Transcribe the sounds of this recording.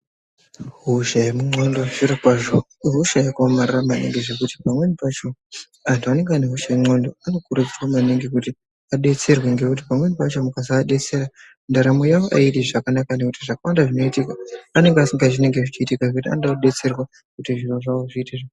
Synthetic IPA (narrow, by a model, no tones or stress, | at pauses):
ɦuʃajemuŋ͡ǀondo̞ʐiɾakwaʐo | ɦuʃajakomariramanḛŋɡiʐe̞kuti̥pamwe̞nipat͡ʃo̞ | antʰuane̞ŋɡeaneɦuʃaemondo̞ano̞kurud͡zirwamaneŋɡikuti | aɗe̞t͡se̞rweŋɡe̞kuti̥pamwe̞nipat͡ʃo̞mukasaɗe̞t͡se̞ɾa | ndaɾamojawoʔa̰itiʐakanakane̞kutiʐakawandaʐino̞itikaːne̞ŋɡeasiŋɡaʐine̞ŋɡe̞ʐit͡ʃiːtikaʐekutia̰ndauɗe̞t͡se̞rwa | kutiʐiroʐaoʐiːteʐa